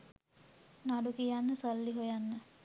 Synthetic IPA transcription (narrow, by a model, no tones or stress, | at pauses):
naɖukijanːəsəlːiɦojanːə